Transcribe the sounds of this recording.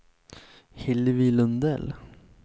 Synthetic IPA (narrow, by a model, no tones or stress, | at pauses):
hɪlvilɵnd̪ɛ̰l